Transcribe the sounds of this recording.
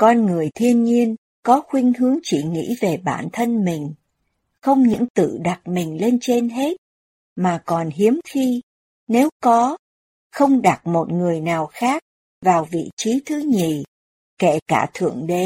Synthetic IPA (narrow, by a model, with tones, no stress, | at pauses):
kɔ˧nŋɨ˨˩əjt̪ʰi˧ənɲi˧ən | kɔ˨˦xwï˧ŋ̟ɦɨ˨˦əŋt͡ɕi˧˩ŋḭ˧˥ve˨˩ɓaː˧˩nt̪ʰə˧nmï˨˩ŋ̟ | xə˧wŋ͡mɲɨ̰˧˥ŋt̪ɨ̰˧˨ɗa˨˩t̚mï˨˩ŋ̟le˧nt͡ɕe˧nɦe˦˥t̚ | maː˨˩kɔ˨˩nɦi˨˦əmxi˧ | ne˨˦wkɔ˨˦ | xə˧wŋ͡mɗa˨˩t̚mo˨˩t̚ŋɨ˨˩əjnaː˨˩wxaː˦˥k̚ | vaː˨˩wvḭ˧˨t͡ɕi˨˦t̪ʰɨ˨˦ɲḭ˧˨ | ke˧˩kaː˧˩t̪ʰɨ̰˧˨əŋɗe˨˦